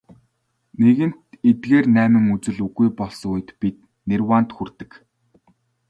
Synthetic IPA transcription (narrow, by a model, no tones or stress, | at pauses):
neɣɘ̆n̥t̪et̪ɡeːrnæːmɘ̆ŋut͡sɘ̆ɮuɣujpɔɮs̆uj̆t̪pit̪̚ | nerwaːn̥t̪xurt̪ɘ̆k